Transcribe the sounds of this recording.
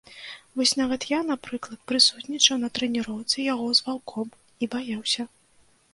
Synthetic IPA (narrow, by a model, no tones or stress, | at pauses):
vɔsʲn̪avɐt̪janapɾɨklˠɐt̪̚pɾɨsut̪nʲit͡ʂɐwnɐt̪ɾɛnʲiɾɔwt̪sɨjaɣɔzvalˠkʰɔm | ibajawsʲɐ